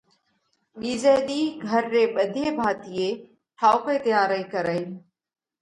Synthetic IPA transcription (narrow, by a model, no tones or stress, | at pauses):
ɓiːzeːɗ̪iːɡʱəɾːeːɓəd̪ʱeːbʱaːt̪ijeː | ʈʰaːʊpeːt̪ɪjãːɾəikəɾəiː